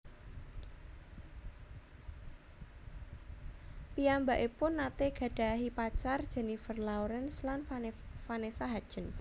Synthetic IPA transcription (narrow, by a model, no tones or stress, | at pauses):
piambaʔipʊnːat̪eɡ̥ä̤ɖ̥a̤ɦipat͡ʃard̥ʒ̥ə̤nifərlawɾɛnslanfanesaɦad̥ʒ̥əns